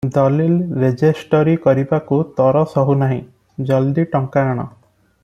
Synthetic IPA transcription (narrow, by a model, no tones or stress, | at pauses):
d̪ɔlilɾed͡ʒesʈɔɾikɔɾibakut̪ɔɾɔsɔɦunaɦĩ | d͡ʒɔld̪iʈɔŋkaːɽ̃ɔ̰